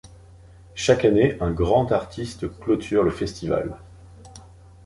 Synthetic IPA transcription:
ʃakaneʔɛ̃ɡʁɑ̃t̪aʁt̪ʰist̪klɔt̪ʰyʁləfɛst̪iva̰l

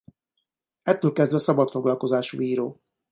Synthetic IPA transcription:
ɛt̪ːøːlkɛzd̪vɛsɒbɒt̪fo̞ɡlɒlko̞zaːʃṵːiːɾoː

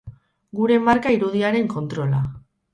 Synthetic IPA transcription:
ɡuɾe̞maɾkaiɾuð̞iaɾe̞ŋko̞nt̪ɾo̞la

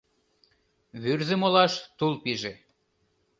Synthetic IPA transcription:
βyrzĕmolɑʃt̪ulpiʒe

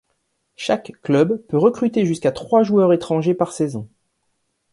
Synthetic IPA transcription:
ʃakːlœbpøʁəkχyt̪eʒyskat̪χwaʒuœʁet̪χɑ̃ʒepaʁsɛzɔ̰̃

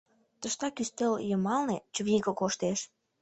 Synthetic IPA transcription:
t̪əʃt̪ɑkyst̪eljəmɑlnet͡ɕəβiɣəkoʃt̪eʃ

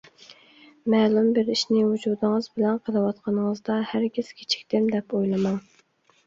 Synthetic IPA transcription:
mɛːlˠumbɪɾiʃnɪhud͡ʒud̪ɨŋəzbɪlɛnqʰəlˠɨwɑt̪qʰɑnəŋəzd̪ɑhæɾɡʲɪz̥kʲʰe̥t͡ʃʰi̥k̚ʲt̪ɪmd̪ɛpojlˠɨmɑŋ

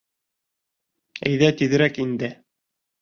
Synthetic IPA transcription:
æ̰jðæt̪iðɘ̆ɾækind̪ɘ

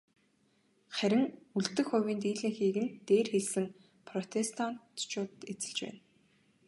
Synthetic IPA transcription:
χæɾʲɪ̆ŋuɮt̪ɘ̆xʊwʲiːnt̪iːɮɘ̆ːŋxiːɣɘ̆nt̪eːrxeɮsɘ̆ŋ | pʰrɔt̪ʰest̪ʰan̥t̪t͡ɕʊːt̪et͡sɘ̆ɮt͡ɕpæ̰ːn

